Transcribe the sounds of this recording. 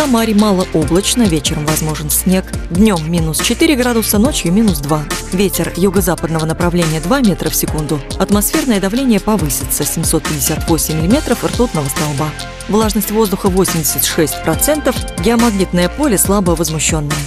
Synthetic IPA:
amaɾʲmalˠəʔo̞blˠət͡ɕnəvʲet͡ɕɪɾəmvɐzmo̞ʐɨnsʲnʲe̞kd̪nʲo̞mːʲinʊst͡ɕɪt̪ɨɾʲɪɡɾad̪ʊsəno̞t͡ɕjʊmʲinʊsd̪vavʲetʲɪrjʊɡəzapəd̪nəvənəpɾɐvlʲenʲɪjəd̪vamʲe̞t̪ɾəfsʲɪkund̪ʊɐt̪mɐsfʲe̞rnəjəd̪ɐvlʲenʲɪjəpɐvɨsʲɪt̪səsʲɪmso̞t̪̚pʲɪdʲɪsʲat̪vosʲɪmʲːɪlʲɪmʲe̞t̪ɾəfɨrt̪ut̪nəvəst̪ɐlˠba | vlˠaʐnəsʲtʲvo̞zd̪ʊxəvosʲɪmdʲɪsʲɪtʲʂɛsʲtʲpɾɐt̪sɛnt̪əfɡʲɪɐmɐɡnʲit̪nəjəpo̞lʲɪslˠabəvəzmʊɕːo̞nːəjə

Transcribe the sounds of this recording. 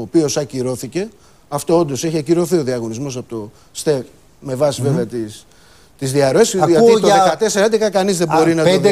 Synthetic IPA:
opio̞sɐciɾo̞θice̞ | ɐft̪oond̪oseçiɐciɾo̞θio̞ðiɐɣo̞nizmo̞sɐpot̪o | st̪e | me̞vɐsive̞veɐt̪is | t̪izðiɐɾoesʝɐt̪it̪oekɐt̪e̞seɾɐnd̪ekɐkɐnizðebo̞ɾinɐt̪d̪

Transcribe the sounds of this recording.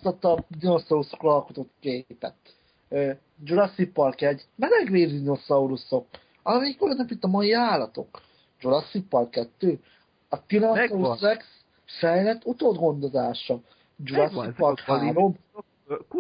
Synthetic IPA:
st̪ɒt̪ːɒd̪inosɒusokrɒlko̞t̪ot̪keːpɛ̰t̪ | øː | d͡ʒuɾɒsipːɒrkɛɟmɛlɛɡʋeːzd̪ino̞sɒuɾuso̞k | ɒmikølønːøpit̪ːɒmɒjiaːlːɒt̪o̞̰k | d͡ʒuɾɒsipːɒrkɛt̪ːøː | ɒt̪inosɒusrɛks | fɛjlɛt̪ːut̪oːd̪ɡo̞nd̪o̞zaːʃɒ | d͡ʒuɾɒsipːɒɾhaɾo̞m

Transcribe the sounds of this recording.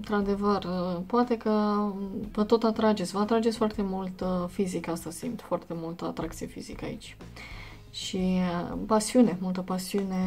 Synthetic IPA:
nt̪ɾad̪e̞vərpoat̪e̞kə | vət̪o̞t̪at̪ɾad͡ʒe̞t̪sʲvəat̪ɾad͡ʒetsʲfoart̪e̞mult̪fizikast̪asḭmt̪foart̪e̞mult̪əa̰t̪ɾak̚t̪sijefḭzḭkəa̰ḭt͡ʃʲ | ʃipasiune̞mult̪əpasiune̞

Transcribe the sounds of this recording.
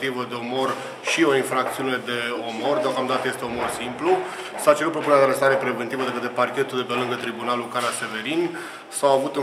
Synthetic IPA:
t̪ivəd̪e̞o̞mo̞r | ʃio̞infɾak̚t̪siune̞d̪e̞o̞mo̞rd̪eo̞kamd̪at̪əje̞st̪e̞o̞mo̞rsimplu | sat͡ʃeɾut̪̚pɾo̞punɾjad̪eaɾest̪aɾepɾe̞vent̪ivəd̪ekət̪eparkʲe̞t̪uld̪epe̞lɨŋɡət̪ɾibunalukaɾase̞ve̞ɾin | sawavut̪ɨ

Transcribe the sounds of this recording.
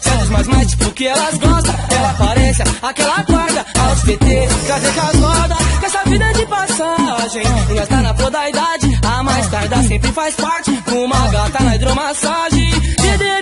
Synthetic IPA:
sɛ̃t̪ʊzmajzmajst͡ʃi̥pʊʊkɪɛlɐzɡɔst̪ɐ̃ɛlɐapaɾɛsɐakɛlɐkwaɾd̪ɐaspet̪ekɾazekazmɔd̪ɐkɛsɐvid̪ɐd͡ʒɪpasaʒẽj̃ẽast̪anɐpuɐd̪ɐid̪ad͡ʒɪɐmajst̪aɾd̪ɐsẽmpɾɪfajspaɾt͡ʃɪd̪ʊmaɡat̪anɐid̪ɾomasaʒẽj̃d͡ʒɪd̪e

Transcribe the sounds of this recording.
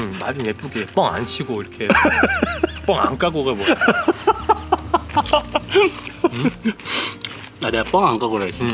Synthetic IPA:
mad͡ʑɯnep͈uɡep͈ʌŋa̰nt͡ɕʰiɡoiɾʌkʰe | p͈ʌŋa̰nk͈aɡoɡabwʌ | aneap͈ʌŋaŋkaɡoɾaes͈ɯ

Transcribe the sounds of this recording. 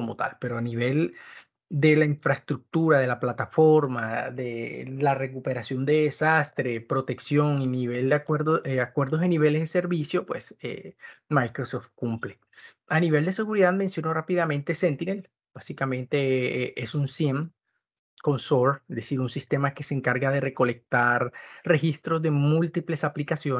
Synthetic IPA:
komot̪a̰lpe̞ɾoaniβ̞e̞l | d̪e̞laiɱfɾaest̪ɾuk̚t̪uɾaðe̞laplat̪afo̞ɾmaðelare̞k̬upe̞ɾasjo̞nd̪e̞ðesast̪ɾe̞pɾo̞t̪e̞ksjo̞ŋiniβe̞ld̪eɾðoeakwe̞ɾðoseniβe̞le̞zðe̞se̞ɾβisjo̞pwe̞sḛmajkɾosoft̪̚kumple̞ | aniβe̞ld̪e̞se̞ɣuɾiðaðmensjonorapiðamẽ̞nt̪e̞sent̪inel | b̥asikamẽ̞nt̪e̞eʔesunsjem | ko̞nsoɾezðesiɾunsist̪e̞make̞seːŋkaɾɣaðe̞re̞ko̞le̞k̚t̪aɾre̞xist̪ɾo̞zðe̞mult̪iple̞saplikasjo

